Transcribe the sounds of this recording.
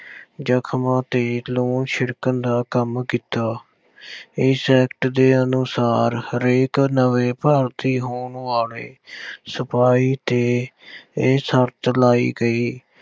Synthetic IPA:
d͡ʒəkʰmãːt̪eːloːnʃɪɽkənd̪aːkəmkiːt̪aː | ɪːsɛːkʈd̪eːənʊsaːɾɾeːknəʋeːpaːɾt̪iːɦoːɳʋaːlḛːsəpaːiːt̪eː | səɾt̪laːḭːɡəiː

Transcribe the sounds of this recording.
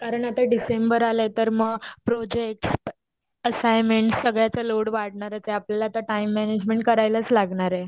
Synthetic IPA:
kaɾəɳat̪aɖisembəɾalet̪əɾməɡpɾod͡ʑek̚ʈs | əsajmeɳʈsəɡɭjat͡səloɽʋaɽɳaɾət͡seapljalaːt̪aʈaimːɛned͡ʑmẽɳʈ̚kəɾajlət͡slaɡɳaɾe

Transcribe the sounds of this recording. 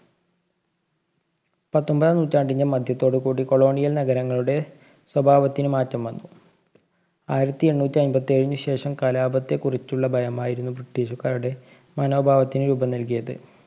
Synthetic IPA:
pɐt̪ːo̞mbɐðanuːtʲːaːɳɖiɲːɐmɐd̪ʱjɐt̪ːo̞ːɽɨkuːɽiko̞ɭo̞ːɳijɐlnɐɡɐɾɐŋːɐɭuɽe̞ | swɐbʱaːʋɐt̪ːinɨmaːtːɐmʋɐnːu | aːjiɾɐt̪ːieɳːuːt̪ʲːiɐnbɐt̪ːieɻiɲːɨɕe̞ːʂɐmkɐlaːbɐt̪ːe̞kurit͡ɕːuɭːɐbʱɐjɐmaːjiɾunːubriʈːiːɕukːaːɾuɽe̞ | mɐno̞ːbʱaːʋɐt̪ːinɨɾuːbɐnɐlkijɐðɨ̰

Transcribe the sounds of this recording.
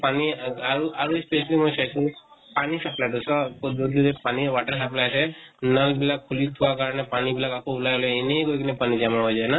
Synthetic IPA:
paniaɾuaɾuespesalimɔjsʰajt͡ʃʰũpanisaplaʈusɔkod̪ud̪iɾepaniʋaʈəɾsaplajsʰɛnəlbilakkʰːulit̪ʰuwakaɾɔnepanibilakakoulajlɔineɡojkinepanid͡ʒamaɦɔjd͡ʒajna

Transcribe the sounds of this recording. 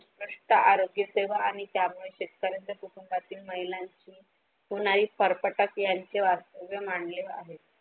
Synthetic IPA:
spɾəʂʈəʔaɾoɡjəseʋəaɽ̃it̪jamuɭeɕet̪̚kəɾend̪əpuʈ̪umbat̪iːlməɦilaɲt͡ɕiː | ɦoɽ̃aɾiːpəɾpəʈəkjaɲt͡ɕeʋast̪əʋjəmaɳlea̰ɦet̪̚

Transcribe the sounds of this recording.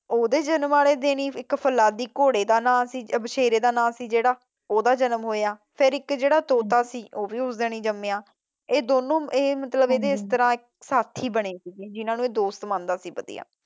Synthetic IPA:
oːd̪eːd͡ʒənmaːleːd̪eːɽiːɪkpʰəlaːd̪iːkoːɽeːd̪aːnãːsiːbəʃeːɾeːd̪aːnãːsiːd͡ʒeːɽaː | oːd̪aːd͡ʒənəmɦoːjaːpʰɪɾɪkd͡ʒeːɽaːt̪oːt̪aːsiːʔoːbiːʊsd̪eːɽ̃iːd͡ʒəmeːãː | eːd̪oːnõːeːmət̪ləbeːd̪eːɪst̪əɾãːɪk̚ | saːt̪ʰːiːbəɽ̃eːsiɡeːd͡ʒɪnãːnũːeːd̪oːst̪mãːnd̪aːsiːpəd̪ḭːa̰ː

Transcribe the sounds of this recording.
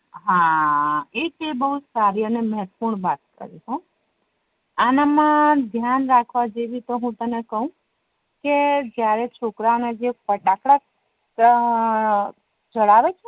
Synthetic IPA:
ɦã | ekebəɦusaɾiəneməɦɛt̪puɳ̃bat̪̚kə̰ɾiɦõ | anamãd̪ʱjanɾakʰʋad͡ʒeʋit̪oɦũt̪ənekəɦũ | ked͡ʒjaɾet͡ʃʰokɾanad͡ʒepəʈakɽa | d͡ʒəɭaʋet͡ʃʰe

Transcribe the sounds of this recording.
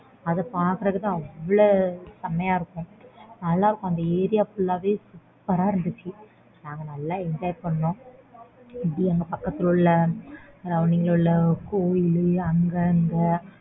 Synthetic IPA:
ɐðɐpaːɾkɯɾɐkːɯt̪ãːɐɐʋːɐɭosɐmɐjaːɪɾɯkːʊ̃nɐlːaːɪɾɯkːʊ̃ɐnd̪ɐeːɾɪjaːpʊlːaːʋeːsʊ | pːɐɾaːɪɾɯnd̪ɯt͡ʃːɯ | naːŋɡɐnɐlːaːɛɲd͡ʒaːjpɐɳːʊ̃ | ɪpɽiɐŋɡɐpɐkːɐt̪ːɪlɯɭːɐɾɐʋnɪŋɡɐlɭɯɭːɐkoːjɪlɯɐŋɡɐŋɡɐ

